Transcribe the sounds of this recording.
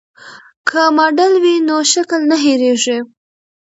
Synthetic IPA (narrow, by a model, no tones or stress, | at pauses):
kʰamɑɖəlwinoʃakəlnaɦeɾeʐe